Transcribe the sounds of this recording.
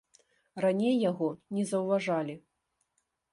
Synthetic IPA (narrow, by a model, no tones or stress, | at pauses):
ranʲejːaɣɔnʲɛzɐwvaʐalʲi